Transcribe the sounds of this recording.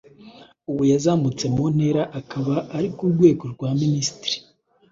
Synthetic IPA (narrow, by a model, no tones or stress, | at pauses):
uβujazaːmut͡se̞mon̥e̞ɾaʔakaβaaɾikuɾɡwe̞ːɡo̞ɾɡwaːminisi̥tɾi̥